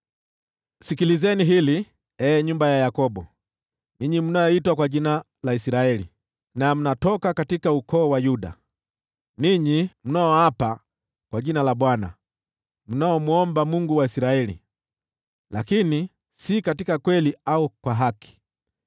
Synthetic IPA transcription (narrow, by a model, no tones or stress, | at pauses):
sikilizɛniɦili | ɛːɲumbajajakɔɓɔ | niɲim̩najɔitwakwaʄina | laisiɾaɛlḭ | nam̩natɔkakatikaukɔːwajuɗa̰ | niɲim̩naɔhapa | kwaʄinalaɓwana̰ | m̩naɔmuɔmbamuŋɡuwaisiɾaɛlḭ | lakini | sikatikakwɛliaukwaɦaki̥